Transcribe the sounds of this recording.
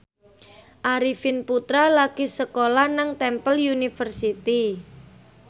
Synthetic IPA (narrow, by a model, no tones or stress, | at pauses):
ʔaɾifɪnput̪ɾalaɡ̥isəkolanaŋt̪ɛmpəljunifərsit̪i